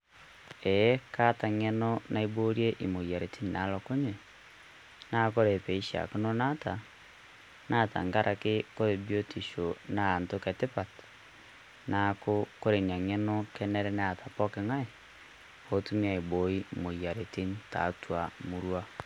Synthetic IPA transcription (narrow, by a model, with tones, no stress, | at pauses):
ɛ˨jɛ˦ka˦ta˨ŋɛ˦nɔ˦na˦ibo˦ɾje˦ʔi˨mo˨i˨a˨ɾe˨tʰi˦nna˨˦lɔ˨ko˦ɲe˨ | na˦ko˦ɾe˨pe˨i˦ʃa̰˨ko˦no˦na˦ta˨ | na˦ta̰˨ŋɡa˦ɾʔa˨ke˦ko˦ɾe˨bjo˦ti˨ʃo˨naː˦˨ntokɛ˨te˦pa˨t | na˨ko˦ko˦ɾe˨nia˨ŋɛ˦nɔ˦kɛ˦nɛ˦ɾɛ˦ne˦a˨ta˨pɔ˦ke˨ŋa˦e˨ | o˦tu˦mi˦a˨i˨bo˨˦i˦mo˨ja˨ɾe˨ti˦nta̰˨twa˨mu˨ɾwa˦